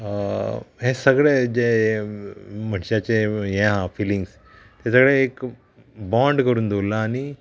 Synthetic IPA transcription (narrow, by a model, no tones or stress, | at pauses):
ɦẽsəɡɭed͡ʑe | m̤əɳɕat͡ɕejẽɦãfilĩŋɡs | t̪asəɡɭeːk | bãɳɖkəɾuːnd̪olaːni